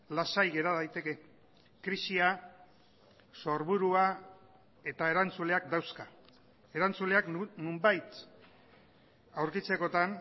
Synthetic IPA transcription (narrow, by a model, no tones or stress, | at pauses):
lasajɣe̞ɾaðajt̪e̞ke̞ | kɾisia | so̞ɾβuɾua | e̞t̪ae̞ɾant͡sule̞akd̪awska | e̞ɾant͡sule̞aknumbajt̪ | awɾkit͡se̞ko̞t̪an